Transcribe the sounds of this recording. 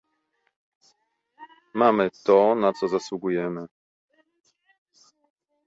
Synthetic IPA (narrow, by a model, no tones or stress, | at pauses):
mamɘt̪ɔnat̪sɔzaswuɡujɛmɘ